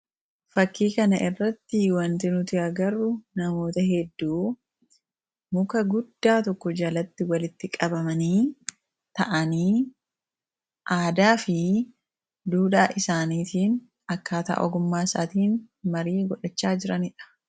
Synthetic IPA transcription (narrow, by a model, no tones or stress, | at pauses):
fɐkːiːkɐnɐʔɪrːɐt̪ːɪwɐnt̪ɪnʊt̪ɪɐɡɐɾːʊnɐmo̞ːt̪ɐɦɛd̪ːuː | mʊkɐɡʊd̪ːaːt̪ɔkːɔd͡ʒɐlɐt̪ːɪwɐlɪt̪ːɪkʼɐbɐmɐniː | t̪ɐʔɐniː | ʔaːd̪aːfɪ | d̪uːᶑaːʔɪsaːniːt̪iːn | ɐkːaːt̪ɐ̰ʔɔ̰ɡʊmːaːsaːt̪iːnmɐɾiːɡɔᶑɐt͡ʃːaːd͡ʒɪɾɐnɪᶑɐ̥